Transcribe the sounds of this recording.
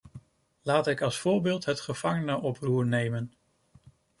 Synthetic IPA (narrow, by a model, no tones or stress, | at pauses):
laːtɪkɑlˠsfʊːɹbɪːlˠtɦətχəv̥ɑŋənəʔɔpruːɹnejmən